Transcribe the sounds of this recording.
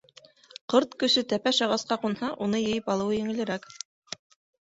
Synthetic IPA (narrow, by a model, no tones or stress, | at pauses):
qɤɾt̪kɵ̆sɵt̪æpæʃɑʁɑsqɑqunhɑʔunɤjɘ̆jɘpɑlˠɤ̆wɤjɘ̆ŋɘ̆lɘ̆ɾæk